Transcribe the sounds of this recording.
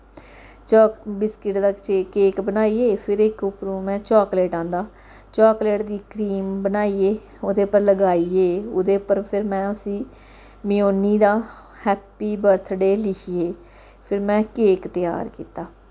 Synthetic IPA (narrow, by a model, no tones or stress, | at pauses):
t͡ʃɔːkbɪskɪʈd̪aːt͡ʃeːkeːkbənaːiːeːpʰɪɾɪkʊpɾũːmɛ̃ːt͡ʃɔːkleːʈãːnd̪aː | t͡ʃɔːkleːʈd̪iːkɾiːmbənaːiːeː | oːd̪eːpəɾləɡaːiːeːod̪eːpəɾpʰɪɾmɛ̃ːʊsĩː | mɪjoːniːd̪aː | hɛːpːiːbəɾt̪ʰɖeːlɪkʰijeː | pʰɪɾmɛ̃ːkeːkt̪ɪja̰ːɾkiːt̪aː